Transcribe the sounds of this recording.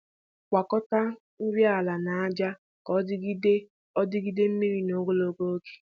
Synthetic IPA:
kʷa˨kɔ˦ta˦ | n̩˦ɾja˨la˨na˨a˦d͡ʒa˦ | kɔ˦ | ɔ˦dɪ˦ɡi˦de˦m̩˦mi˦ɾi˦no˦ɡʷo˦lo˦ɡo˦o˦ke̥˨˦

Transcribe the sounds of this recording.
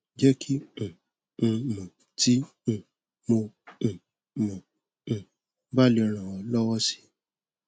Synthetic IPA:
d͡ʒɛ˦kʰĩ˦˨˧ | mɔ̃˨ | tĩ˦˨ | mõ˧˨ | mɔ̃˨ | ba˦li˧ɔ˧ɾ̃ã˨wɔ̃˨lɔ˦wɔ˦si̥˦

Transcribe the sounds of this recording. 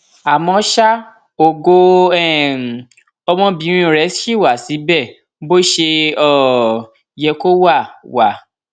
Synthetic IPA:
a˨mɔ̃˨˧˦ʃa˦ | o˨ɡo˧ɛ˦˨ | ɔ˧mɔ̃˧˦bĩ˨˦ĩ˦o˨ɾɛ˨˦i˦˨wa˨si˨˦bɛ˦˨ | bo˦ʃe˧ɔ˦˨ | jɛ˧ko˦wa˦˨wa˨

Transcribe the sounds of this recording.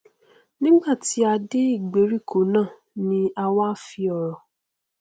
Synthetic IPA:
nĩ˦ɡ͡ba˦˨ti˨˦a˧de˦i˦˨ɡ͡be˨˦ɾi˦˨kʰo˨˦nãː˦˨ | nĩ˦a˧wa˦fi˧ɔ˧ɾɔ˨

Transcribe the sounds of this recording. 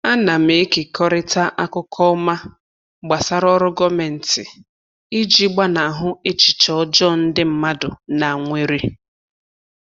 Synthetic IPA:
a˦na˨m̩e˨e˦ke˨kʰɔ˦ɾɪ˦ta˦ʔa˦kʊ˦kʰɔ˦ma˦ | ɡ͡ba˨sa˦ɾɔ˦ɾʊ˦ɡɔ˦me˨n̩˨tɪ̰˨ | i˦d͡ʒi˦ɡ͡ba˦na˨ɦʊ˦e˦t͡ʃɪ̥˨t͡ʃɔ˨˦d͡ʒɔ˦n̩˦dɪ˦m̩˦ma˦dʊ̰˨na˨ŋʷe˨ɾi˦

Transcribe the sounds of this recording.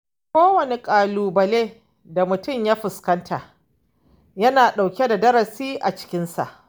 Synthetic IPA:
kʷoː˦wɐ˨ne˨kʼaː˨luː˨bɐ˨leː˦ | da˨mʊ˨tʊ˦mjaː˦ɸɪ˨skɐ˦ntʰaː˨ | jɐ˦naː˨ɗa˨wkʲe˦da˨dɐ˦ɾɐ˨siː˦ʔa˨t͡ʃɪ̥˦kʲɪ˦nsa̰˨ʔ

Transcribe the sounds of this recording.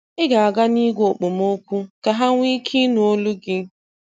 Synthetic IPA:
ɪ˦ɡa˨a˨ɡa˦ni˦ɡʷo˨k͡po˨mo˦kʷu˦ka˨ɦa˦ŋʷi˦kʰi˦nu˨o˦lu˦ɡɪ˦

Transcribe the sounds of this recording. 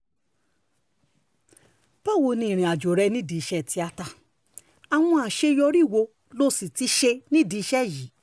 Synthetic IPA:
pɔ˦˨wo˧˨nĩ˧˨ɾ̃ĩ˨a˨d͡ʒo˨ɾɛ˧nĩ˦˨di˨˦˧ʃɛ˦˨ti˧a˧ta˧ | a˨w̃ɔ̃˧a˨ʃe˧jɔ˧ɾi˦˨wo˧ | lo˦si˨ti˧˦ʃe˧nĩ˦˨di˧˦ʃɛ˦˨ji˨˦

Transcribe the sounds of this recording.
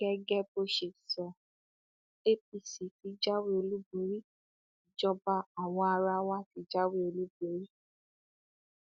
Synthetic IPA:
ɡɛ˦ɡɛ˦bo˧ʃe˨sɔ˨ | e˦p̚i˨si˨ti˨˧d͡ʒa˦we˦o˧lu˦bo˨˦ɾi˦ | d͡ʒɔ˦˧ba˦a˨w̃ɔ̃˧˦a˧ɾa˧wa˦ti˧d͡ʒa˦we˦o˧lu˦bo˨˦ɾi˦

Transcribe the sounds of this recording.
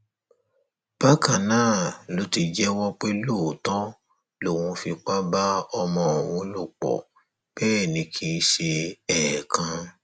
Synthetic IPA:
b̥a˦kã˦˨nãː˦˨lo˨˦ti˧d͡ʒɛ˦wɔ˦k͡pe˦lo˦˨tɔ̃˦ | lo˨w̃ũ˧fi˧k͡pa˦ba˦ɔ˧mɔ̃˧o˨w̃ũ˨˧˦lu˦˨k͡pɔ̰˨ | b̥ɛː˦˨nĩ˧˦kʰi˧˦ʃe˧ɛ˦˨kʰã˧

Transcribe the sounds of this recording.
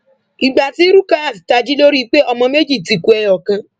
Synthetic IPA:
i˨ɡ͡ba˨ti˦ɾu˦kã˦a˦˨si̥˨ta˧d͡ʒi˦lo˦ɾi˦k͡pe˦ɔ˧mɔ̃˧me˦d͡ʒi˦˨ti˨ku˨ɛ˧jɔ˨kã˧

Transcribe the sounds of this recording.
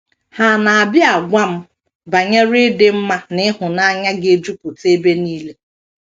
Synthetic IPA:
ha˨na˨a˨bja˨ɡʷa˦m̩˦ | ba˨ɲe˦ɾɪ˦dɪ˦m̩˦ma˦nɪ˦ɦʊ˨na˦ɲa˦ɡɪ˦e˦d͡ʒu˦pʊ˨te˦be˦niː˦le˦

